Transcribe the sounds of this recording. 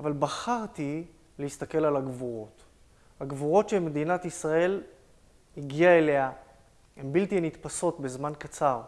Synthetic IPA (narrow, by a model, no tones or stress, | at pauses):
avalbaχaʁt̪i | lehist̪ake̞lalaɡvuʁo̞t | haɡvuʁo̞tʃemed̪inat̪isʁae̞l | hiɡiaele̞ha | embiltianit̪paso̞tbe̞zmankat͡saʁ